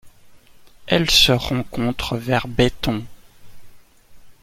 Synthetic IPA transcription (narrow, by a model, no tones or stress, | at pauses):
ɛlsəʁɑ̃kɔ̃t̪χəvɛʁbet̪ɔ̃